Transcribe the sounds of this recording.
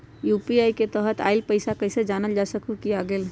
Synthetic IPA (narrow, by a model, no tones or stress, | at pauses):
jupiajket̪əɦət̪a̰ɪlpəɪsakəɪsed͡ʒanəld͡ʒasəkukiaɡeːl